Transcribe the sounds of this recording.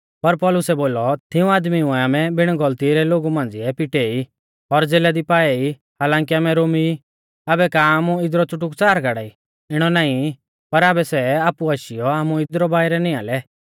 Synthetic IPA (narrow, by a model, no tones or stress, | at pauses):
pɐɾpɔlʊsɛboːlɔt̪ʰɪũaːd̪miʊɛaːmɛbɪɽ̃ɡɔlt̪iɾɛloɡumãːn̆d͡ziɛpɪʈei | ɔɾd͡zeːlad̪ipaːɛi | haːlãːŋkiaːmɛɾoːmi | aːbɛkaːmuɪd̪ɾɔt͡sʊʈ̬ʊkt͡saːɾɡaɽa̰ːi | ɪɽ̃ɔnaːĩ | pɐɾaːbɛsɛaːpuaʃijɔaːmuɪd̪ɾɔbaːiɾɛnia̰ːlɛ